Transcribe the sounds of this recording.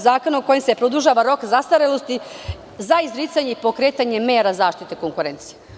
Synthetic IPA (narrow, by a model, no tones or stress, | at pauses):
zaːko̞naoko̞jemsepɾod̪uʒaːʋaɾo̞kzast̪aɾelost̪i | zaizɾit̪saɲe̞ipo̞kɾe̞ːt̪aɲe̞me̞ːɾazaːʃt̪it̪eko̞ŋkuɾe̞nt̪sije